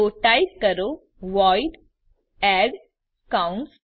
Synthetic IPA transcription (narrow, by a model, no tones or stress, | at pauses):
oʈaikəɾo | ʋɔjɖ | ɛɖ | kaʊɳs